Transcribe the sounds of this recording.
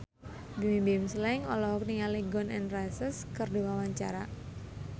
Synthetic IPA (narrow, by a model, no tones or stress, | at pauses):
bimimbimslɛŋɔlɔɦɔk̚niŋaliɡɔnɛ̰nrasəskərdiwawaɲt͡ʃa̰ɾa